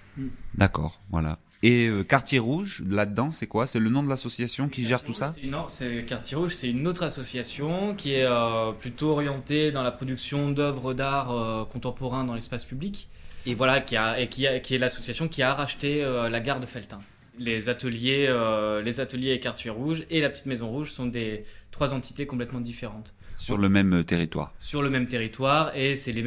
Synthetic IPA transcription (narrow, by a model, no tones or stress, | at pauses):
d̪akɔ̰ːʁvwa̰la̰ | eøkaʁt̪jeʁuʒlad̪ɑ̃sɛkwasɛlənɔ̃d̪əlasɔsjasjɔ̃kʲiʒɛʁt̪usaɛnɔsɛkaʁt̪jeʁuʒsɛt̪ynot̪χasɔsjasjɔ̃kʲiɛøplyt̪oɔʁjɑ̃t̪ed̪ɑ̃lapχɔd̪yksjɔ̃d̪œvʁəd̪aʁøkɔ̃t̪ɑ̃pɔʁɛ̃d̪ɑ̃lɛspaspyblikevwalakʲiaekʲiakʲiɛlasɔsjasjɔ̃kʲiaʁaʃt̪eølaɡaʁd̪əfɛlt̪ɛ̃ | lezat̪əljeølezat̪əljekaʁt̪ɥɛʁuʒelapət̪i̥t̪mezɔ̃ʁuʒsɔ̃d̪et̪χwazɑ̃t̪i̥t̪ekɔ̃plɛt̪mɑ̃d̪ifeʁɑ̃t̪ | syʁləmɛmt̪eʁit̪wa̰ʁsyʁləmɛmt̪eʁit̪waʁesɛle